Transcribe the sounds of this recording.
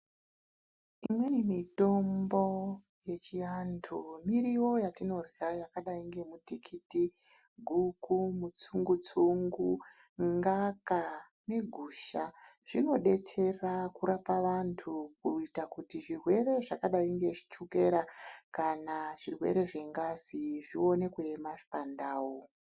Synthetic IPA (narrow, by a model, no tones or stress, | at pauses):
imwe̞nimito̞mbo̞ | je̞t͡ʃijantʰumiɾiwo̞jatino̞rwajakaɗaiŋɡe̞mutikʰiti | ɡʱukumut͡suŋɡut͡suŋɡu | ŋɡaka | ne̞ɡʱuːʃaʐ̥ino̞ɗe̞t͡se̞rakuɾapaʋantʰukuitakutiʐirwe̞ɾe̞ʐakaɗaiŋɡe̞ʐi̥t͡ʃuke̞ɾakanaʐ̥irwe̞̰ɾe̞ʐe̞ŋɡaziʐio̞ne̞kwemaʐi̥pandaːwo